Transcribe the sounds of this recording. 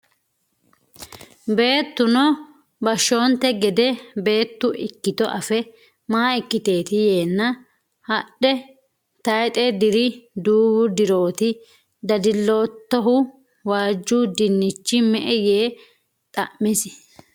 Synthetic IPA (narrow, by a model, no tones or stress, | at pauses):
be̞ːt̪ːʊnɔ | bɐʃːo̞ːnt̪ːɛɡɛd̪ɛbe̞ːt̪ːʊʔɪkːɪt̪ɔʔɐfɛ | maːɪkːɪt̪e̞ːt̪ɪjeːnːɐ | hɐɗɛ | t̪ɐjt̪ʼɛd̪ɪɾɪd̪uːbʊd̪ɪɾo̞ːt̪ɪ | d̪ɐd̪ɪlːo̞ːt̪ːɔɦʊ | waːd͡ʒːuːd̪ɪnːɪt͡ʃːɪmɛʔɛjeː | t̪ʼɐʔmːɪs